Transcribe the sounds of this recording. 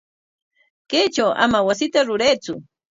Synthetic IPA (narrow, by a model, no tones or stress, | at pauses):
kejt͡ʃawʔa̰mawasɪt̪aɾʊɾajt͡sʊ